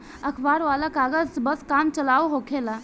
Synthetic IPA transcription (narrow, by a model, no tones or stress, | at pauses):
əkʰbaːɾʋaːlakaːɡəd͡ʒbəskaːmt͡ʃəlaːuɦokʰela